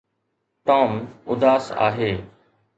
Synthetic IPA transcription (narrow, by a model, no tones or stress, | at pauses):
ʈaːmʊd̪aːsa̰ːɦeː